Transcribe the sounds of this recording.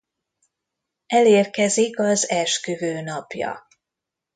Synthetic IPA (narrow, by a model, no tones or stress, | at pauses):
ɛleːrkɛzikɒzɛʃkyvøːnɒpjɒ̰